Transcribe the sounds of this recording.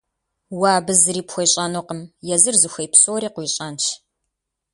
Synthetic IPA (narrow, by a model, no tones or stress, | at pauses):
waːbɨzɨɾiːpxʷɔjɕʼanoqəmjɛzɨrzɨxʷɐjpsoːɾiːqʷiːɕʼɐːnt͡ʃʰ